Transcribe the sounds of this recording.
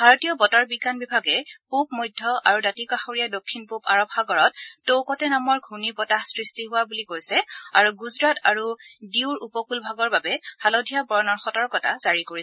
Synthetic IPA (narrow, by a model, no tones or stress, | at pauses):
b̥ʱaɹɔtijɔbɔtaɹbiɡanbibʱaɡɛpupmojdʱːɔʔa̰ɹudatikaxoɹijadokʰːinpupaɹɔpxaɡɔɹɔtːowkɔtɛnamɔɹɡʱunibɔtasɹistiɦʊwabulikojsɛaɹuɡuzɹataɹudiʊɹupɔkulbʱaɡɔɹbabɛhalodʱijabɔɹɔnɔɹxɔtɔɹkɔta̰zaɹikoɹi